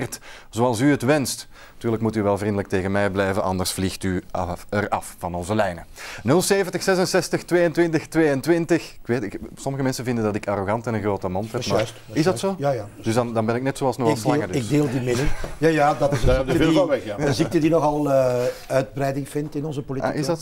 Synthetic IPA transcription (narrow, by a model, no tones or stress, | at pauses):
rt | z̥oːɑlˠsyətʋɛnst | tyːrləkmutyʋɛlˠvrindələk̚teːɣənmɛjblɛjvənʔɑ̰ndərsflixtyərɑ̰ffɑnɔnzəlɛjnənɵlˠseːvəntəxsɛzənsɛstəxtʋeːjəntʋɪntəxtʋeːjəntʋɪntəxkʋeːtɪsɔməɣəmɛnsənvɪndəndɑtɪkaroɣɑntɛnənɣroːtəmɔnthɛmas | ɪzdɑtsoːjajad̥ʏzdɑndɑnbɛnɪknɛtsoːɑlˠsnɔɣslɑŋədɪɡ̚deːlˠdimɪdənjajaːdɑtɪdɛdvɪaʋɛxjaəziktədinɔɣɑlˠəœɥd̚bɾɛjdɪŋfɪntɪnɔnzəpolia̰ɪzd